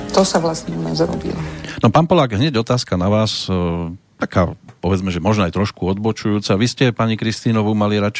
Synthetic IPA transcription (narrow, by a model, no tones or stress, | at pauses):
t̪ɔsaʋlasɲɛunaːzɾɔ̰bḭlɔnɔpaːnpɔlaːɡɦɲɛɟɔt̪aːskanaʋaːs | t̪aka̰ːpɔʋɛd͡zmɛʒɛmɔʒnɔajt̪ɾɔʃkuɔd̪bɔt͡ʃujuːt͡saʋiscɛpaɲikɾist̪iːnɔʋumaliɾat͡ʃ